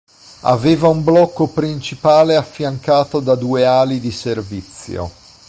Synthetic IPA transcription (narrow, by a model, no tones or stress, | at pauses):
a̰veːvaumblɔkːopɾint͡ʃipaːleafːjaŋkaːt̪od̪ad̪uːeaːlid̪iservit̪sːjo̰